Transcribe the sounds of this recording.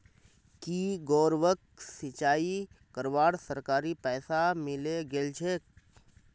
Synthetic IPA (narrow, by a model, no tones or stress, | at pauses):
kiːɡɔːɾʋək̚ | sɪt͡ʃaːi | kəɾʋaːɽsəɾkaːɾipɛːsamɪleɡelt͡ʃʰeːk̚